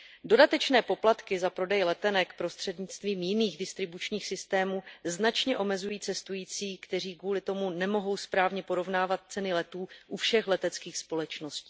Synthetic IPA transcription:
do̞dat̪ɛt͡ʃnɛːpo̞plat̪kɪzapɾo̞dɛjlɛt̪ɛnɛkpɾo̞st̪r̥ɛdɲɪt͡st̪viːmjɪniːɣdɪst̪ɾɪbut͡ʃɲiːxsɪst̪ɛːmuːznat͡ʃɲɛʔo̞mɛzujiːt͡sɛst̪ujiːt͡siːkt̪ɛr̝iːkvuːlɪt̪o̞munɛmo̞ɦo̞wspɾaːvɲɛpo̞ɾo̞vnaːvat̪̚t͡sɛnɪlɛt̪uːʔufʃɛxlɛt̪ɛt͡skiːxspo̞lɛt͡ʃno̞sci̥ː

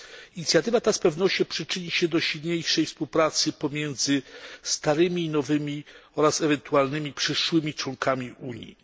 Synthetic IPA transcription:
iɲit̪sʲjat̪ɘvat̪aspɛvnɔɕt͡ɕɔpʂɘt͡ʂɘɲiɕɛd̪ɔɕid̪ɲejʂɛjfspuwpɾat̪sɘpɔmʲjɛnd̪zɘst̪aɾɘmʲiːnɔvɘmʲiɔɾasɛvɛnt̪ualnɘmʲipʂɘʂwɘmʲit͡ʂwɔŋkamʲiʔuɲjḭ

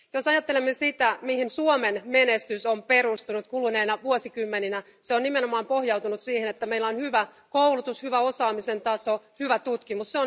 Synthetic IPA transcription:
josɑjɑt̪ːelemːesit̪æmihinsuomenmenest̪ysompeɾust̪unut̪kulneːnɑʋuosikymːeninæ | seonnimenomɑːmpohjɑwt̪unut̪siːhenet̪ːæmeilːæonhyʋæ | koulut̪ushyʋæo̞sɑːmise̞nt̪ɑsohyʋæt̪ut̪kimusseon

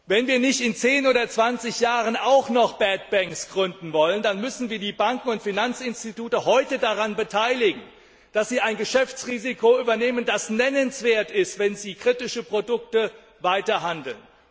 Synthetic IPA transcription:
vɛnviːɐnɪçtɪnt͡seːnoːdɐt͡sv̥ant͡sɪçjaːʁənaʊxnɔχb̥ɛt̚b̥ɛŋksɡ̥ʁʏndn̩vɔləndanmʏsn̩viːɐdiːbaŋkŋ̩ʊntfinant͡sɪnstituːtəhɔʏtədaʁanbətʰaɪlɪɡŋ̩ | d̥asz̥iːaɪnɡəʃɛft͡sʁiːzikoyːbɐneːməndasnɛnənsv̥eːɐtɪstv̥ɛnziːkʁ̥itɪʃəpʁ̥odʊk̚tə | vaɪtɐɦandl̩n

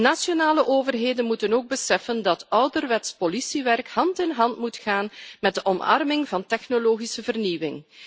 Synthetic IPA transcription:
nasjonaːləʔoːvərɦeːdənmutənoːɡ̚bəsɛfəndɑtœwdərʋɛtspolisiʋɛrkhɑntɪnɦɑntmutxaːnmɛd̚dəʔɔmɑ̰rmɪŋvɑntɛxnoloːɣisəvərniʋɪ̰ŋ

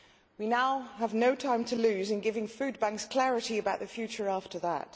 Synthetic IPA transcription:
winaʊəvnoʊtʰãɪ̃mtʰəlʉːzɨ̃nɡɪvɪ̃ŋfʉd̚bæ̃ŋkskʰl̥ɛɹɨɾiɨbaʊʔ̪̚ðəfjʉˑt͡ʃə˞ɑftə˞ðə̰t̚

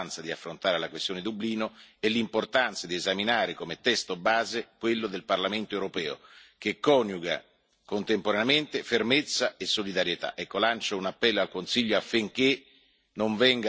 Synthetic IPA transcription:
nt̪sad̪iafːɾont̪aːɾelakwest̪joːned̪ubliːnoelːimport̪ant̪sad̪iezaminaːɾekomet̪ɛst̪obaːzekwelːod̪elparlament̪oewɾopɛːo̰k̟ekːɔnjuɡa̰ | kont̪empoɾaneament̪efermet̪sːaesːolid̪aɾjet̪a̰ʔɛkːolant͡ʃounapːɛlːoalkonsiʎːoafːiŋk̟e | noɱvɛŋɡa

